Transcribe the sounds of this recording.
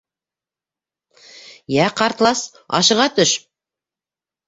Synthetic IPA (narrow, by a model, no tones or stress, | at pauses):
jæqɑɾt̪lˠɑs | ɑ̰ʃɤ̆ʁɑt̪ɵʃ